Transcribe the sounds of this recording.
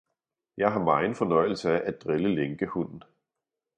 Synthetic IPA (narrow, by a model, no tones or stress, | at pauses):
jɑ̈ɪɦɑ̈mɑ̈ɪn̩fɒ̽nɒ̽ɪ̰l̩səæʔæ̥d̥ʁeləleŋɡ̥əhun̰n̩